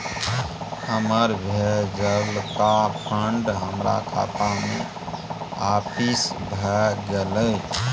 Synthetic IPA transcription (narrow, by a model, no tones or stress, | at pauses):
həməɾbʱed͡ʒəlkapʰəɳɖɦəmɾa̰kʰa̰t̪amḛ | apisbʱɛɡelə